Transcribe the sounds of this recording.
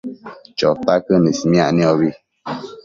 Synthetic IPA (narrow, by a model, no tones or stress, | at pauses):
t͡ʃɔtakənisimjaʔniɔβi